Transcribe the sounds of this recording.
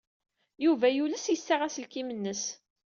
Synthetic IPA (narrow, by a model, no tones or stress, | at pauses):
juvæjuləsjəsːaʁæslkimənːəs